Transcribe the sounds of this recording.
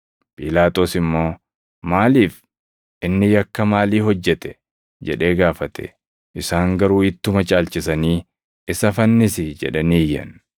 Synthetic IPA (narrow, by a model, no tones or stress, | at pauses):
pʼiːlaːt̪ʼo̞ːsɪmːo̞ː | maːliːf | ʔɪnːɪjɐkːɐmaːliːɦɔd͡ʒːɛt̪ɛ̥ | d͡ʒɛᶑe̞ːɡaːfɐt̪ʰɛ̰ | ʔɪsaːŋɡɐɾuːɪt̪ːʊmɐt͡ʃʼaːlt͡ʃɪsɐniː | ɪsɐfɐnːɪsɪd͡ʒɛ̰ᶑɐniːjːɐ̰n